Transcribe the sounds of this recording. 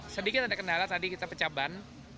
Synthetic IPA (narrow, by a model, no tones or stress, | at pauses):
sədikɪt̪adaʔkəndalat̪adikit̪apət͡ʃaban